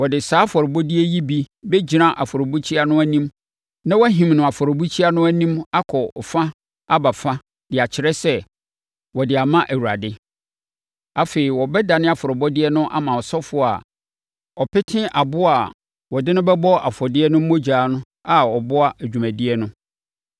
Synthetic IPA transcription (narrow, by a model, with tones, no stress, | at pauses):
wɔ˨dɪ˨saː˨˦fɔ˨ɾɪ˨bɔ˦dɪ˦ɛ˦ji˦bi˦bɛ˦d͡ʑi˨nã˦ʔa˨fɔ˨ɾo˨bu˦t͡ɕʰi˦a˦nʊ̃˦æ˦nĩ˦m | nã˦wæ˦ɦĩ˨mnʊ̃˨a˨fɔ˨ɾɔ˨bu˦t͡ɕʰi˦a˦nʊ̃˦æ˦nĩ˦ma˦kʰɔ˨ɔ˨fã˦ | a˦ba˨fã˦ | d̥ɪ˨a˨t͡ɕʰɪ˨ɾɛ˦sɛ˦ | wɔ˨dɪ˨a˨mã˦ʔæ˨wu˨a˨dɪ˦ | a˨feː˨i˨wɔ˨bɛ˦da˨nɪ̃˦a˨fɔ˨ɾɪ˨bɔ˦dɪ˦ɛ˦nʊ̃˦ʔa̰˨mã˨ɔ˨sɔ˦fʊ˦˨a̰˨ | ɔ˨pɪ˦tʰɪ̃˦ʔa˨bʊ˦a˨ | wɔ˨dɪ̃˦nʊ̃˦bɛ˦bɔ˦a˨fɔ˨dɪ˦ɛ˦nʊ̃˦mo˦d͡ʑaː˨˦nʊ̃˦ | a˦˨ɔ˨bʊ˦a˦ʔæ˨d͡ʑᶣu˨mæ̃˨dɪ˦ɛ˦nʊ̃˦